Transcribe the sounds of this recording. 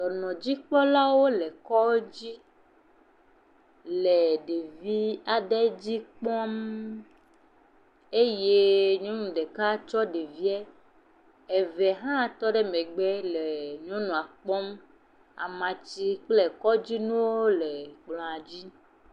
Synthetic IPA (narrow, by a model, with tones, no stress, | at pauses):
ɖɔ˨nɔ̃˨d͡ʑi˦k͡pɔ˦la˦wo˦lɛ˨kɔ˦d͡ʑi˦ | le˨ɖe˨vi˦a˨ɖɛ˦d͡ʑi˦k͡pɔ˦m | e˦je˦ɲɔ̃˦nũ˨ɖe˨ka˦t͡ʃɔ˦ɖe˨vi˦ɛ˦ | e˨vɛ˨ɦã˦˨t̪ɔ˦ɖɛ˦mɛ̃˨ɡ͡bɛ˦le˨ɲɔ̃˦nũ˨a˨k͡pɔ˦m | a̰˨mã˨t͡ɕi˦k͡plɛ˨kɔ˦d͡ʑi˦nũ˦wo˦lɛ˨k͡plɔ̃˨a˨d͡ʑi˦